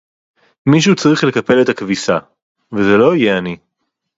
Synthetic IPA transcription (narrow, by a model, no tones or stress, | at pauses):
miʃ̬ut͡sʁiχle̞kɐpe̞le̞thakvisa | vezelo̞ijeani